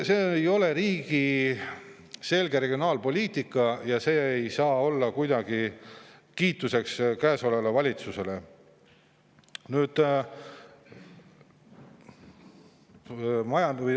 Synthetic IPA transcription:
seːejo̞le̞ɾiːɡ̥i | se̞lɡ̥e̞ɾe̞ɡ̥ʲio̞nɑːlpo̞lʲiːt̪ikːˑɑjɑse̞ːejsɑːo̞lːɑkujd̪ɑɡ̥i | kiːt̪ːˑuse̞kskæːsolelevɑlʲit̪suse̞le̞ | nyːd̪̥ | mɑjɑ

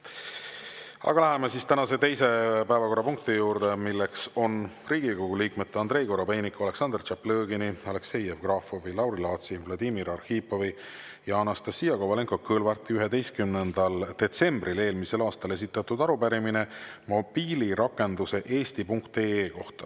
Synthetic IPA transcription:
ɑ̰ɡ̥ɑlæɦemesist̪ænɑse̞t̪e̞jse̞pæevɑko̞rːɑpuŋk̚t̪ijuːɾd̪̥emilːekso̞nriːɡ̥ikoɡuliːkmet̪ːeɑnd̪ɾe̞jko̞ɾobe̞jnikoɑle̞ksɑnd̪̥rt͡ʃɑplɤːɡiniɑle̞kse̞jevɡ̥rɑːfovilɑwɾilɑːt̪sivlɑd̪imiɾɑrhiːpːovi | jɑɑnɑst̪ɑsːijɑkovɑleŋkokːɤːlvɑrt̪ːˑiyɦed̪e̞jst̪̚kymnend̪̥ɑld̪̥e̞t̪se̞mbrile̞ːlmise̞lɑːst̪ɑle̞s̬it̪ːˑɑt̪ːud̪ɑɾupæɾimine̞mo̞b̥iːliɾɑkːˑe̞nd̪̥use̞ʔe̞ːst̪ipuŋkt̪e̞ːeːko̞ht̪ɑ̥

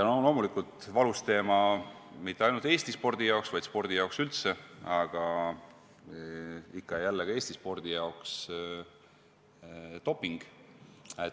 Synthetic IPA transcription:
ɑnolo̞ːmulikˑult̪ˑvɑlust̪e̞ːmɑ | mit̪ːeɑjnult̪e̞ːsʲt̪ispo̞rd̪̥ijɑoksvɑjd̪̥spo̞rd̪̥ijɑoksylt̪seɑɡ̥ɑ | ikːɑjælːekɑe̞ːsʲt̪ispo̞rd̪̥ijɑoks | t̪o̞pːˑiŋɡ̥ | e

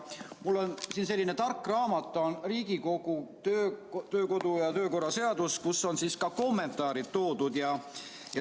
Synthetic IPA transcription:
mulːo̞nsiːns̬e̞lːine̞t̪ɑrkːˑrɑːmɑt̪ːˑo̞nriːɡiko̞ɡ̥ut̪øt̪øːko̞d̪ujɑt̪ø̞ːko̞rːɑse̞ɑd̪̥uskusːo̞nsiːskɑko̞mːe̞nt̪ˑɑːɾid̪̥̚t̪ːo̞ːd̪ud̪̥jɑ | jɑ

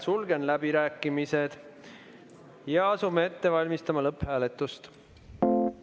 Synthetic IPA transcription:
sulɡ̥e̞nlæb̥iɾæːkːˑimise̞d̪̥ | jɑɑsumee̞t̪ːe̞vɑlʲmist̪ɑmɑlɤpːhæːle̞t̪ːˑust̪

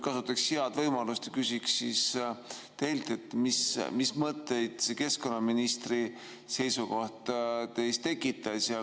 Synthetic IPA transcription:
kɑsut̪ːˑɑkshiɑd̪̥vɤjmɑlust̪ekysʲikssis | t̪e̞jlt̪ˑe̞t̪ːmismismɤt̪ːˑe̞jd̪̥seke̞sko̞nːɑminist̪ri | se̞jsuko̞ht̪t̪e̞jst̪e̞kːˑit̪ːˑɑsjɑ

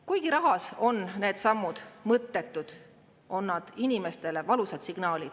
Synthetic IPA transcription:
kujɡ̥iɾɑɦɑso̞nne̞ːd̪sɑmːud̪̥mɤt̪ːe̞t̪ːˑud̪̥ | o̞nːɑd̪̥inime̞st̪e̞le̞vɑlusɑd̪siɡ̥nɑːlid̪̥

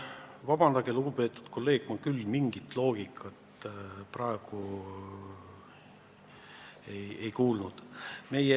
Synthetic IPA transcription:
vɑbɑnd̪̥ɑɡ̥eluɡupe̞ːt̪ːˑu̥d̪̥kʰo̞lːe̞ːɡ̥mɑkylːmiŋɡ̥it̪ːˑlo̞ːɡ̥ikʰːˑɑt̪prɑeɡ̥u | e̞je̞jkuːlnud̪̥me̞je

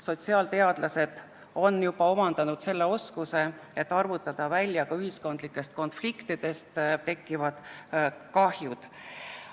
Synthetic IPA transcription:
so̞t̪siɑːlt̪e̞ɑd̪̥lɑse̞d̪̥ | o̞njub̥ɑo̞mɑnd̪ɑnud̪̥se̞lːe̞o̞skuse̞ | et̪ːˑɑrvut̪ːˑɑd̪̥ɑvælʲːjɑkɑyɦisko̞nd̪̥likːˑe̞st̪̚ko̞nflikt̪id̪̥e̞st̪t̪ːe̞kˑːivɑd̪̥kɑhjud̪̥

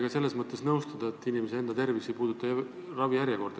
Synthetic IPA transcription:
ɡ̥ɑse̞lːe̞smɤt̪ːˑe̞snɤwst̪ɑd̪̥ɑe̞t̪ːinimesee̞nd̪̥ɑt̪e̞rvisipuːd̪̥ut̪ːˑɑ | rɑvijæɾjɑko̞rd̪

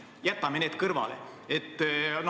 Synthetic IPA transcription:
jæt̪ːɑmene̞ːd̪̥kɤrvɑ̰lḛet̪ːˑn

